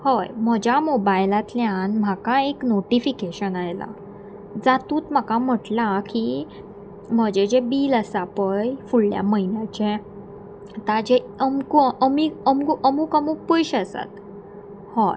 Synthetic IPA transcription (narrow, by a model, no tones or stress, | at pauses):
hojm̤əd͡ʑjamobajlat̪ljãnm̤akãeknoʈifikeɕənajla̰ | d͡zat̪uːt̪m̤akam̤əʈlaki | m̤əd͡ʑed͡ʑebiːləsapəjfuɽlja̰məɦinjat͡ɕẽ | t̪ad͡ʑe | əmkuəmiːəmkuʔəmuːkamuːk̚pəjɕəsa̰t̪ | hoj